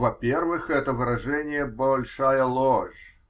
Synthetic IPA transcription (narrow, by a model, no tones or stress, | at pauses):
vɐpʲervɨxɛt̪əvɨɾɐʐɛnʲɪjəbɐlʲʂajəlˠoʐ